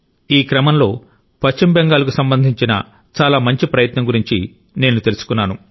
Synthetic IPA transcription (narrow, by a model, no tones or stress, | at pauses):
iːkɾɐmɐmlo̞ː | pɐt͡ʃimbeŋɡaːlɐk̬usɐmbɐnd̪ʱiɲt͡ʃinɐ̰ | t͡ʃaːlaːmɐɲt͡ʃipɾɐjɐt̪nɐŋɡuɾiɲt͡ʃi | ne̞ːnut̪e̞lusu̥kunːaːnu